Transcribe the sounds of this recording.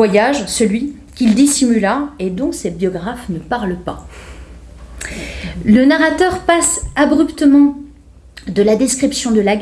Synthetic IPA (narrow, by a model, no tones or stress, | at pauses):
ajaʒsəlɥi | kʲild̪isimylaed̪ɔ̃sebjɔɡʁafnəpaʁlpa | lənaʁat̪œʁpasabʁypt̪əmɑ̃ | d̪əlad̪eskχipsjɔ̃d̪əlaɡ